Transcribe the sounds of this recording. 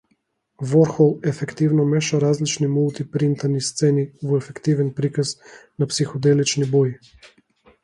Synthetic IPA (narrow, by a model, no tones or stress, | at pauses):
vɔɾxɔlɛfɛkt̪ivnɔmeʃaɾazlit͡ʃnimult̪ipɾint̪anist̪senivuɛfɛkt̪ivɛnpɾikasnapsixɔd̪elit͡ʃniboji